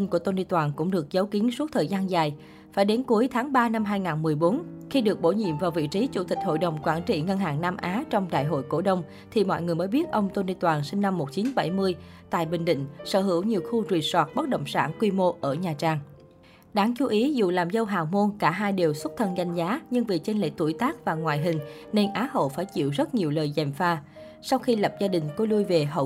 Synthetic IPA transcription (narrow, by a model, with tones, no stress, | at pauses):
ŋ̟ku˧˩ət̪o˧nɗi˧t̪waː˨˩nkʊ̰˧˥ŋ͡mɗɨ˨˩ək̚zə˨˦wki˨˦əŋsu˦˥t̚t̪ʰəː˨˩jzaː˧nzaː˨˩j | faː˧˩jɗe˨˦nku˨˦əjt̪ʰaː˨˦ŋɓaː˧na˧mɦaː˧jŋaː˨˩nmɨ˨˩əjɓo˨˦nxi˧ɗɨ˨˩ək̚ɓo˧˩ɲḭ˧˨mvaː˨˩wvḭ˧˨t͡ɕi˨˦t͡ɕu˧˩t̪ï˨˩k̟̚ho̰˧˨jɗə˨˩wŋ͡mkwaː˧˩nt͡ɕḭ˧˨ŋə˧nɦa̰ː˧˨˩ŋnaː˧mʔaː˨˦t͡ɕɔ˧wŋ͡mɗa̰ː˧˨jɦo̰˧˨jko̰˧˩ɗə˧wŋ͡m | t̪ʰi˨˩mɔ̰˧˨jŋɨ˨˩əjmə˨˦jɓi˦˥ət̚ʔə˧wŋ͡mt̪o˧ni˧t̪waː˨˩nsï˧ŋ̟na˧mːo˨˩t̚t͡ɕi˨˦nɓa˧˩jmɨ˧əj | t̪a̰ː˧˨jɓï˨˩ŋ̟ɗḭ̈˧˨ŋ̟səː˧˩hɦɨ˧˩əwɲi˨˩əwxu˧zwi˨˩swaː˨˩t̚ɓə˦˥t̚ɗə̰˧˨wŋ͡msaː˧˩nkwi˧mo˧ʔəː˧˩ɲaː˨˩t͡ɕaː˧ŋ | ɗaː˨˦ŋt͡ɕu˧˦ʔi˨˦zṵ˧˨laː˨˩mzə˧wɦaː˨˩wmo˧nkaː˧˩ɦaː˧jɗi˨˩əwswə˦˥t̚t̪ʰə˧nɣa˧jŋ̟zaː˨˦ɲɨ˧ŋvi˨˩t͡ɕe˧nlḛ˧˥t̪ṵ˧˩jt̪aː˦˥k̚vaː˨˩ŋwaː˨˩jɦï˨˩ŋ̟ | ne˧nʔaː˨˦ɦo̰˧˨faː˧˩jt͡ɕḭ˧˨wzə˦˥t̚ɲi˨˩əwləː˨˩jzɛ˨˩mfaː˧ | sa˧wxi˧lə˨˩p̚zaː˧ɗï˨˩ŋ̟kɔ˨˦lu˧jve˨˩ɦə̰˧˩w